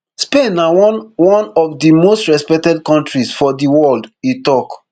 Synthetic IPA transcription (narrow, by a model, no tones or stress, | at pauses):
spẽnawwɔ̃nɔvdimostɹɛspɛk̚tɛd̚kɔ̃ntɹisfɔdiwɔlditɔk